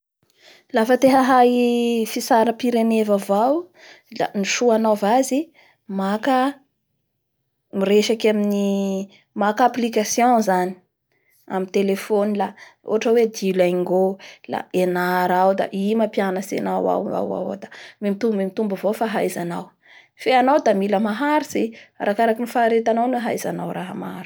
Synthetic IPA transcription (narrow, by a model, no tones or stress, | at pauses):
lafət̪eɦəɦaifisaɾəpiɾenevavaw | la̰niʃuanawvazi | makə | miɾeʃakamini | makaplikasjɔ̃zani̥ | a̰mint̪elefonilao̰aʈ͡ʂawed̪ilaŋɡola̰enaɾawd̪a̰ʔimapjanəsḛnawa̰a̰wa̰wo̰d̪amimit̪ubmimit̪umbavofaɦajzanaw | feanawd̪amiləmaɦaɾisiaɾʔakaɾakinifaɾet̪anawneɦa̰jzanawɾaɦəma̰ɾu̥